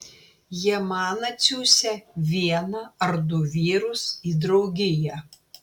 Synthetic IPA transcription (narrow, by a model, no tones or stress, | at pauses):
jiɛmɑːnɐt̪sʲuːsʲɛʋʲiɛnɐɐɾd̪ʊʋʲiːɾʊsiːd̪ɾɒʊɡʲɪjɛ